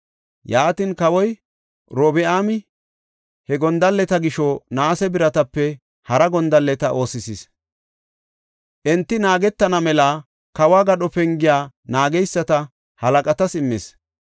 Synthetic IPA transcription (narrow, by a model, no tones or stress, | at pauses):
jaːt̪ɪnkɐwɔj | ɾobɪʔaːmɪ | hɛɡɔnd̪ɐlːɛt̪ɐɡɪʃɔnaːsɛbɪɾɐt̪ɐpːɛ | hɐɾɐɡɔnd̪ɐlːɛt̪ɐʔo̞ːsɪsis | ʔɛnt̪ːɪnaːɡɛt̪ːɐnɐmɛla | kɐwaːɡɐɗɔpɛŋɡɪjaːnaːɡɛjsːɐt̪ɐ | hɐlɐkʼɐt̪ɐsɪmːis